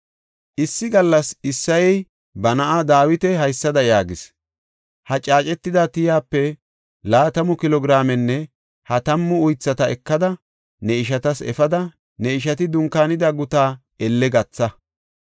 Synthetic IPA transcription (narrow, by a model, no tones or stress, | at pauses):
ʔɪsːɪɡɐlːɐsɪsːɐjɛj | bɐnɐʔad̪aːwɪt̪ɛɦɐjsːɐd̪ɐjaːɡɪs | hɐt͡ʃʼaːt͡ʃʼɛt̪ːɪd̪ɐt̪ɪjaːpːɛ | laːt̪ɐmʊkɪlɔɡɪɾaːmɛnːɛ | hɐt̪ɐmːʊʊjt͡sːɐt̪ɐɛkːɐd̪ɐ | nɛɪʃ̬ɐt̪ɐsɛ̰fɐd̪ɐ | nɛɪʃ̬ɐt̪ɪd̪ʊŋkːaːnɪd̪ɐɡʊt̪aː | ɛlːɛɡɐt͡sːɐ